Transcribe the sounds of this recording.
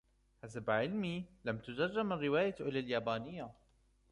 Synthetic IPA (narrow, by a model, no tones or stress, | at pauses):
ħasabʕɪlmiːlamt̪ʊd͡ʒarˤːɪmarːɪwaːjaʔɪlaljaːbaːnɪjːa